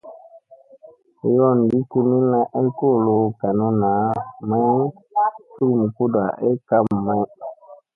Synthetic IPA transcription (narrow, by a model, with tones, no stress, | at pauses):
jɔ˦˨n˨di˦ku˧ni˦na˧˦ʔe˦ko˦˨lo˨ka˨nu˦na˨˦mã˦ | tu˦ɾmu˨ku˦da̰˨ʔe˦ka˦m˨mã˦